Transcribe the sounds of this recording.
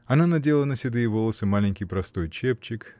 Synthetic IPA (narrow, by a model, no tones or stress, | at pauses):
ɐnanɐdʲelˠənəsʲɪd̪ɨjɪvolˠəsəmalʲɪnʲkʲɪjpɾɐst̪o̞jt͡ɕep̚t͡ɕɪk